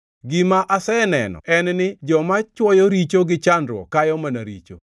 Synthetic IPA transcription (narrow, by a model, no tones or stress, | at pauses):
ɡɪmaʔasɛnɛ̰nɔ̰ʔɛnnɪd͡ʒɔmat͡ʃwɔjɔɾit͡ʃoɡɪt͡ʃandɾwɔ̰kajɔmanaɾit͡ʃo̰